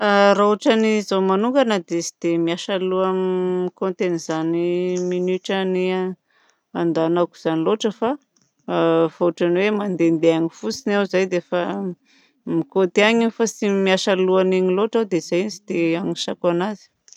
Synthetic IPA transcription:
arauʈ͡ʂanizomanuŋɡanad̪esi̥d̪̥emiaʃaluamikont̪enizaniminiʈ͡ʂani | and̪anaku̥z̥aniloʈ͡ʂəfa | vauʈ͡ʂaniwemand̪end̪eaɲifusinawzajd̪efa | mikot̪eaɲiifasimiaʃaluaniɲiloʈ͡ʂawd̪ezajinsi̥d̪̥eaɲiʃakanazi̥

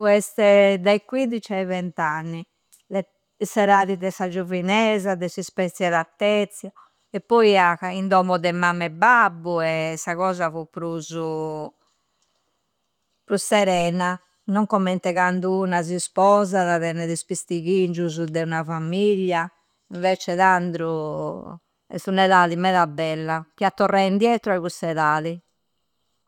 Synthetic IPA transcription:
ɛst̪ɛd̪aikwid̪it͡ʃaivɛnt̪anːi | lɛ | isɛɾaːðiðɛsad͡ʒovinɛːzaðɛsispɛt̪sjɛðat̪ːɛt̪sjɔ | ɛpːɔiakaind̪ɔːmɔðɛmamːɛbabːuɛsaɣɔːzafupɾuzu | pɾustɛɾɛːna | nɔŋkɔmːɛnt̪ɛɣand̪uunazispɔzaðaðɛnɛðispist̪iɣind͡ʒuzud̪ɛunafamiʎːa | iɱvɛt͡ʃɛðand̪ɾu | ɛ̰sunɛðaðimɛðabːɛlːakiat̪ːɔrːɛind̪jɛːt̪ɾɔaiɣustɛðaːði

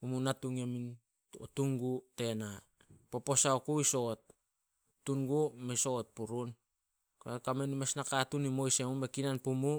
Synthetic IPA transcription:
umunatuŋemin | o̰tuŋɡute̞na | po̞po̞saokuiso̞t̚ | tːuŋɡumeso̞t̚puɾun | kokamenimesnakatunimo̞jse̞mumekinanpumu

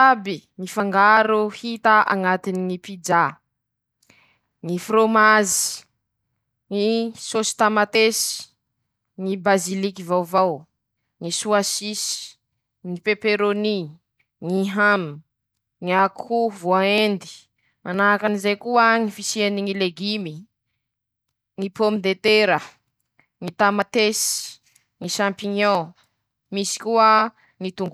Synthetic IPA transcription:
abiŋifaŋɡaɾuhit̪aʔa̰ŋat̪iniŋipid͡ʒa | ŋifromazi̥ | ŋisosi̥t̪amat̪esii̥ | ŋibazilikivawvaw | ŋisuasisi̥ | ŋipepeɾoni | ŋiɦam | ŋiakʰuvoaend̪i̥ | manaakanizejkuəŋifisieniŋileɡimi | ŋipomid̪et̪eɾə | ŋit̪amat̪esi̥ | ŋiʃãmpiɲɔ̃ | misi̥kuə | ŋit̪uŋɡu

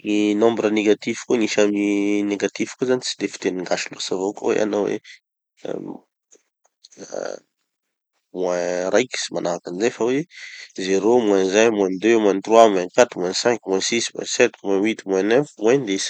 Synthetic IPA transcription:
ŋinɔ̃mbɾəneɡat̪ivkoŋiʃamineɡat̪iv̥kozanit͡si̥d̪efi̥t̪eniŋɡaʃilosavoko̰wḛʔa̰nawḛ | mwɛ̃ɾajki̥simanaɾakanizefawezeɾomwɛ̃nzajmwɛ̃nd̪ømwɛ̃nt̪rwamwɛ̃nkat̪umwɛ̃nsɛ̃ŋkmwɛ̃sismwɛ̰̃sɛt̪mwɛ̃wit̪mwɛ̃nɛfmwend̪es

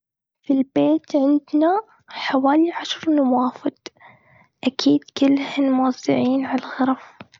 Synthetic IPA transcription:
filbeːt̪ʕɪnd̪na | ħawaːliʕaʃɾˤnawaːfɪd̪̥ | ʔakʰiːd̪kɪlːhɪnmʊwɑzˤːɪ̰ʕiːnʕalaɣɑɾˤɑf

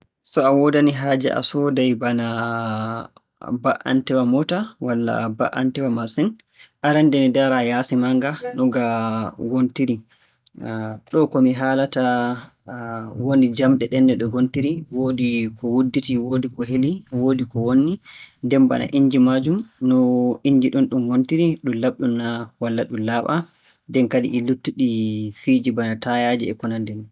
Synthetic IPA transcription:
sɔawɔdaniɦaːd͡ʒɛ̰ʔa̰sɔdajbana | baʔa̰ntɛwamɔtawalːa̰baʔa̰ntɛwamasɛn | ʔaɾɛndɛnidaɾajasimaŋɡanɔɡawontiɾi | ɗɔkɔmiɦaːlata | wonid͡ʒamɗɛɗɛnːɛɗɔwontiɾiwodikɔwudːitiwodikɔɦeliwodikɔwonːidɛmba̰na̰ʔiɲd͡ʒimad͡ʒumnɔiɲd͡ʒiɗunɗumwontiɾiɗumlaɓɗunːawalːaɗumlaɓa | dɛnkadḭʔilutːuɗifiːd͡ʒibanatajad͡ʒɛɛkɔnandɛn

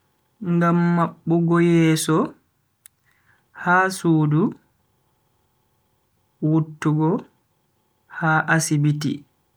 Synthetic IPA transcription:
ŋɡamːaɓːuɡɔjɛːsɔ | haːsuːdu | wutːuɡɔ | haːʔasibitḭ

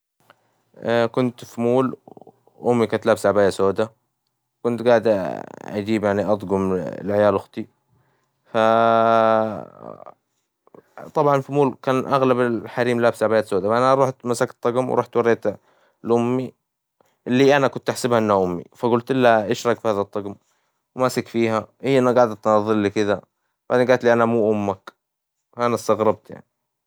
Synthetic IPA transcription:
kʊnt̪fimuːl | ʔʊmːikant̪laːbsʕabaːjasoːd̪a | kʊnt̪ɡaːʕd̪ʔa̰d͡ʒiːbjaʕniʔɑd̪ˤɡʊm̰lʕajaːlʔʊxt̪ˤi | fa | t̪ˤɑbʕɑnfimuːlkaːnʔaɣlabɪħaɾiːmlaːbsaʕbajaːt̪soːd̪aanaɾuːħt̪masakt̪ˤːɑɡmw̰ɾˤuːħt̪wɑɾeːt̪ | lʔʊmːi | ɪlːiʔanakʊnt̪ʔaħsɪbhaʔɪnːaʔʊmːḭfaɡʊlt̪ʔɪlːaʔaʃɾˤɑkfihaːðɑt̪ˤːɑɡm | wmaːsɪkfiːɦahɪjːʔɪnːaɡaːʕd̪t̪nɑðˤːɨllikɪd̪a | b̥aʕd̪eːnɡaːlt̪liːʔanamuːʔʊmːak | faʔanast̪ɑɣɾɑb̚t̪ja̰ʕni

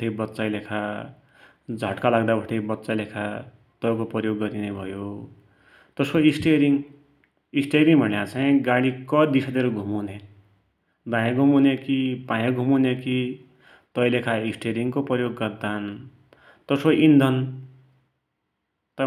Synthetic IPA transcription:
ʌjbʌtːt͡sajlekʰa | d͡zʱʌʈkalaɡd̪abʱʌʈʰʌjbʌtːt͡sajlekʰa | t̪ʌjkopʌjoɡːʌɾinebʱʌjo | t̪ʌsoisʈeɾiŋ | isʈeɾiŋbʱʌleat͡saĩɡaɽikʌd̪isʰad̪eɾuɡʱumune | d̪ãjãɡʱumunekipãjãɡʱumuneki | t̪ʌjlekʰaisʈeɾiŋkopʌjoɡːʌrd̪an | t̪ʌsoʔind̪ʱʌn | t̪ʌ

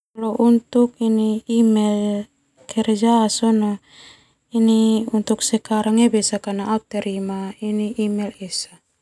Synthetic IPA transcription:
loʔunt̪uk̚iniːmɛl | kʰɛɾɛd͡ʒaːsono | iniunt̪uk̚sɛkaɾaŋebɛsakanaʔat̪ːaɾimainiʔimɛlɛsa

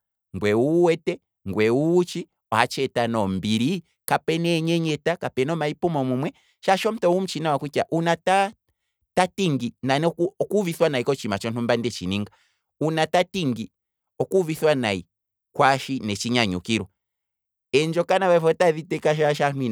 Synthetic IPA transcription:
ŋɡwɛuwɛtɛ | ŋɡwɛuːt͡ʃi | ɔhat͡ʃɛtanɔm̩biɾi | kapɛnɛɲɛɲɛtakapɛnɔmaipumɔmumwɛ | ʃaʃɔm̩tɔum̩t͡ʃinawakwikaʔunata | tatiŋɡinanɔkuviθwanaikɔt͡ʃimat͡ʃɔn̥umbandɛt͡ʃiniŋɡa | unatatiŋɡi | ɔkuviθwanai | kwaʃinɛt͡ʃiɲaɲṵkiɾɔ | ɛnd͡ʒɔkanaβafɔtaðitɛkaʃaʃanwi

